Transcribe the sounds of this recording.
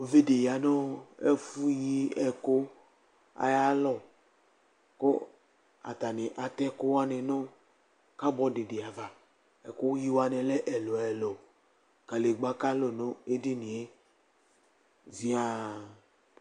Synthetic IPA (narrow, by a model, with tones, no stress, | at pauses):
o˨ve˦de˨ja˨nɔ̃˦ḛ˦fu˦ji˦ɛ˨ko˦ | a̰˨ja˦lɔ˦˨ | ko̰˦ | a̰˨t̪a˨ne˨ʔa˨t̪ɛ˦ko˦wa˦nɛ̃˨nɔ̃˦ | ka˦bɔ˦de˨de˨a˨va˨ | ɛ˨ko˦ji˦wa˦nɛ̃˨lɛ˦ʔɛ˨lɔ˨ɛ˨lɔ˨ | ka˨le˨ɡ͡ba˦ka˦lo˨no˦e˦di˦nĩ˨e˦ | vi˦a˦